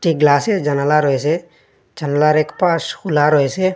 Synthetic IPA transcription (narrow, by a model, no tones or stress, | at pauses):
ʈik̚ɡlasɛd͡ʒanalaɾɔjsɛ | d͡ʒanalaɾɛkpasxulaɾɔjsɛ